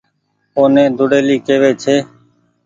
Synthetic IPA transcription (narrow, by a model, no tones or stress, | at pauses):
oːnẽːd̪ʊɽeːliːkeːʋeːt͡ʃʰeː